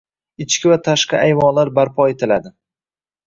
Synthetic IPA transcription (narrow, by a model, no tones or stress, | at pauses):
ɪt͡ʃkʲɪvat̪ʰaʃqʰɑʔajvɒnlaɾbaɾpʰɒet̪ʰɪlad̪ɪ